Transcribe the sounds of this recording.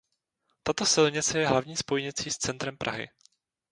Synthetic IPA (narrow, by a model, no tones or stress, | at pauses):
t̪at̪o̞sɪlɲɪt͡sɛjɛɦlavɲiːspojɲɪt͡siːst͡sɛnt̪ɾɛmpɾʔa̰ɦɪ̰